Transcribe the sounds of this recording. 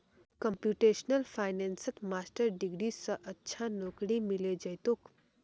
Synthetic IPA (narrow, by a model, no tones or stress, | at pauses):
kəmpjuːʈeːʃnəlfʰaːɪnensək̪maːsʈəɾɖiɡɾisə̃ʔətːʃʰanoːkɽimiled͡ʒəjt̪ok